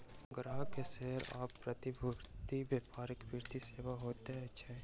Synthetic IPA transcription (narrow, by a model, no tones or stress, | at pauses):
ɡɾaːɦkeseɦɾa̰ːpːɾət̪ibʱuɾt̪ibjeːpaːɾɪkbʱɪɾt̪iseːwaɦoːt̪eɦɛ̃ɐtːʃʰaɛ̃